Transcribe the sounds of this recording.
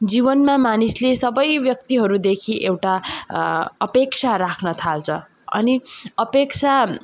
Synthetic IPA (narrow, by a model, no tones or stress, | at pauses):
d͡zibʌnmamanislesʌbʌjbjʌk̚t̪iɦʌɾud̪ekʰiʔewʈa | ʌpek̚t͡sʰaɾakʰnʌt̪ʰalt͡sʰʌ | ʌ̰niʌpekt͡sʰa